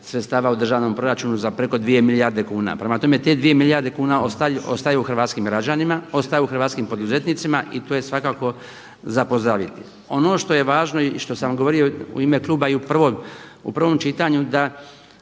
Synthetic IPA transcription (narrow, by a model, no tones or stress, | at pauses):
sɾet̪st̪aːʋaud̪r̩ʒaːʋno̞mpɾo̞ɾat͡ʃuːnuzapɾe̞ko̞d̪ʋije̞milijaɾd̪e̞kuːna̰pɾe̞mat̪o̞me̞t̪e̞d̪ʋije̞miljaɾd̪e̞kuːnaoao̞st̪ajeuxr̩ʋaːt̪skimɡɾad͡ʑanimao̞st̪ajuuxr̩ʋaːt̪skimpo̞d̪uze̞t̪nit̪simaʔit̪oːje̞sʋakaːko̞ | zapo̞zd̪ɾaʋit̪i | o̞no̞ːʃt̪o̞je̞ʋaːʒnoiʃt̪o̞samɡoo̞ɾioṵiːme̞klˠuːbaiupr̩ʋomṵpr̩ʋo̞mt͡ʃit̪aɲud̪a